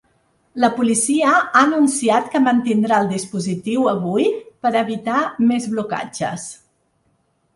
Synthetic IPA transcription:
ləpulisiəanunsiat̪kəmənt̪ind̪ɾaəlˠd̪ispuzit̪iwəβujpəɾəβit̪amezβluka̰d͡ʒə̰s

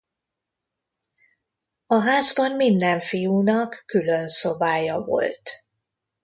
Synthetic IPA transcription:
ɒɦaːzbɒnmind̪ɛɱfijuːnɒkːylø̞nsobaːjɒvo̞̰lt̪

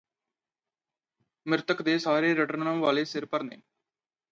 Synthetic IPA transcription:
mɪɾt̪əkd̪eːsaːɾeːɾəʈəɾnnə̃ːʋaːleːsɪɾpəɾnḛː

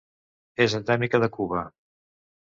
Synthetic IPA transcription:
ezənd̪ɛmikəðəkuβə

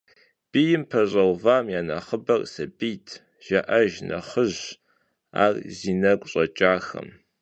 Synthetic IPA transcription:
b̥ijɪmpʰɐɕʼɐwvaːmjaːnɐχəbɐrʼsɐbiːtʰ | ʒ̥ɐʔɐʒnʔɐ̰χəʑ | a̰ːrziːnɐkʷʼɕʼɐt͡ʃʼaːxɐ̰m

